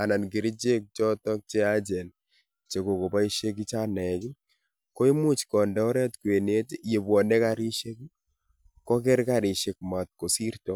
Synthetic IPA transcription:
a˨na˨nɡi˨ɾi˦d͡ʒe˦k̚t͡ʃɔ˦tɔ˦k̚t͡ʃe˦a˦d͡ʒɛ˨n | t͡ʃe˨ko˨ko˨ba˦i˦ʃe˦k̬i˦t͡ʃa˦nɛ˨ki˦ | kɔ˦i˦mu˦t͡ʃkɔ˨ndɛ˨ɔ˦ɾɛ˦tkwe˨ne˦tje˨bɔ˨nɛ˦kaɾi˦ʃe˦k | kɔ˦k̬ɛ˦ɾka˦˨ɾɪ˨ʃe˦kma˨t̪̚ko˨si˦ɾtɔ˦

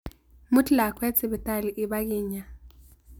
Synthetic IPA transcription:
mu˦tʰʼla˨kʰwɛ˦t͡sʰʼɪ˨ɓɛ˨tʼa˦li˨ʔi˨ɓa˦k̬iː˨ɲa˨

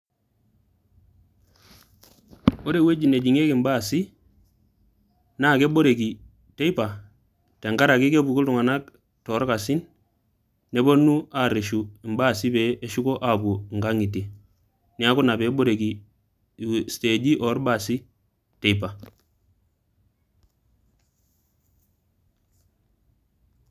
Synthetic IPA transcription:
o˦ɾe˦we˦d͡ʒi˨ne˨d͡ʒi˨ŋe˦ki˨mba˦˨si˦ | na˦˨ke˦bo˦ɾe˨ki˨ | te˦i˦pa˨ | te˨ŋɡa˦ɾa˨ki˦ke˦bu˨ku˦ltu˨ŋa˨na˦k | tɔ˨˦ɾka˨si˦nː | e˦bo˦nu˦a˨ɾe˨ʃu˨i˨mba˦˨si˦be˨˦e˦ʃu˦ko˦ʔa˦bu˨ŋɡa˦ŋi˨te˨ | ni˦a˦ku˦na˨be˨˦bo˦ɾe˨ɡi˨ | ste˨d͡ʒi˦ʔɔ˨˦ɾba˦˨si˦ | te˨i˦pa˨

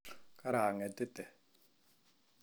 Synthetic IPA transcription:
kʼa˦ɾa˨a˨ŋɛ˨tʼɪ˦tɛ˨

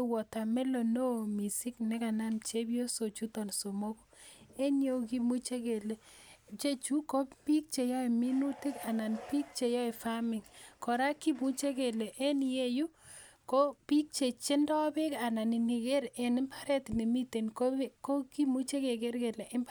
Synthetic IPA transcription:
wɔ˨ta˨mɛ˦lo˨no˦˨mi˨si˦knɛ˦ka˨na˦mt͡ʃe˦bjo˦so˨t͡ʃu˦tɔ˨nso˨mo˦ko̥˦e˦njo˦ki˦mu˦t͡ʃe˦ke˨le˨ | t͡ʃe˦t͡ʃu˦ko˦pi˦k̚t͡ʃe˨jɔ˦e˨mi˦nu˦tɪ˦ka˨na˨npi˦k̚t͡ʃe˨jɔ˦e˨fa˦mɪ˨ŋkɔ˨ɾa˦ki˦mu˦t͡ʃe˦ke˨le˨ʔe˦nje˦ju˦ko˦pi˦k̚t͡ʃe˨t͡ʃe˦ndɔ˦be˦ka˨na˨ni˨ni˨ke˦ɾe˨nɪ˦mpa˦ɾɛ˦tni˨mi˦te˨nko˦ko˦ki˦mu˦t͡ʃe˦ke˨ke˦ɾke˨le˨ʔɪ˦mb

